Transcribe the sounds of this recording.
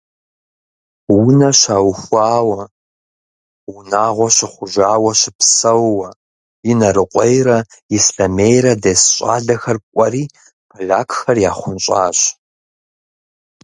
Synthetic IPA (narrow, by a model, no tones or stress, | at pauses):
wʊnɐɕaːwxʷaːwɐ | wʊnaːʁʷɔɕɪχʷʊʒaːwɐɕɪpsɐwwɐ | jɪnɐɾɨqʷʼejɾɐ | ɪsɬɐmejɾɐdeːsɕʼa̰ːɮɐxɐrkʷʼɐɾiː | pʰɨɮaːkʰxɐrjaːχʷʊnɕʼaːɕ